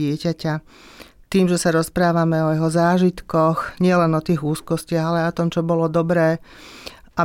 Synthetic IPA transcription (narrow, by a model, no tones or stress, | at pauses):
ɪɛcaca | t̪iːmʒɛsaɾɔspɾaːʋamɛɔjɛɦɔzaːʒit̪kɔxɲɪɛlɛnɔt̪iːɣuːskɔscɪaɣalɛaɔt̪ɔmt͡ʃɔbɔlɔd̪ɔbɾɛː | ʔa